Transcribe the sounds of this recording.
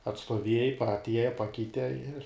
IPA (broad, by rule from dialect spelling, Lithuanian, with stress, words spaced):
ɐtstuɔˈʋʲiɛjɛɪ pɐ ɐtʲˈiɛjɛ ˈpɑːkʲɛɪtʲɛ ɪr